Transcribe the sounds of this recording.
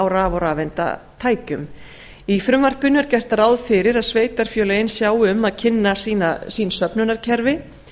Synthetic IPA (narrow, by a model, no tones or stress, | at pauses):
awɾaːvawɾaːvɛnt̪a̰t̪ʰaːjcʏm | ifɾʏmvar̥pʏnʏɛɾcɛr̥t̪aɾaːwðfɪɾɪɾaðsveːjt̪aɾ̥fjœːleɪnsjaːwʏmːaðcʰɪnːasiːnasiːnsœpnʏnaɾ̥cʰɛɾvɪ